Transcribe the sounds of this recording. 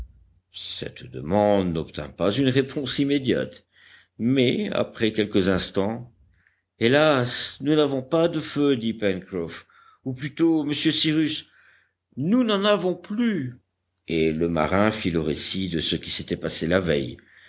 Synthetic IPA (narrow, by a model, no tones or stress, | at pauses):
sɛ̰t̪d̪əmɑ̃d̪nɔp̚t̪ɛ̰̃pazynʁepʰɔ̃simed̪ja̰t̪ | mɛa̰pχɛkʲɛlkəzɛ̃st̪ɑ̃ | elasnunavɔ̃pad̪əfød̪ipɛnkʁɔf | uplyt̪oməsjøsiʁys | nunɑ̃navɔ̃ply | eləma̰ʁɛ̃filəʁesid̪əsəkʲi̥set̪ɛpaselavɛ̰j